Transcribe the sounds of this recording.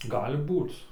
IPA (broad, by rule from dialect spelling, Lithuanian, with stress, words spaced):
ˈɡɑːlʲɪ ˈbuːt͡s